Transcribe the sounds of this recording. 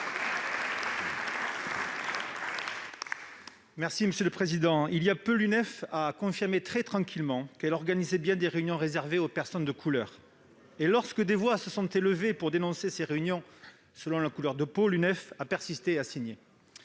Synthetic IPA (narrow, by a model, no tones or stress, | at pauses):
mɛʁsiməsjøləpχezid̪ɑ̃iliapølynɛfakɔ̃fiʁmet̪χɛt̪χɑ̃kʰʲilmɑ̃kɛlɔʁɡanizɛbjɛ̃d̪eʁeynjɔ̃ʁezɛʁveopɛʁsɔnd̪əkʰulœːʁ | elɔʁskəd̪evwasəsɔ̃t̪eləvepuʁd̪enɔ̃seseʁeynjɔ̃ | səlɔ̃lakulœʁd̪əpolynɛfapɛʁsist̪easiɲe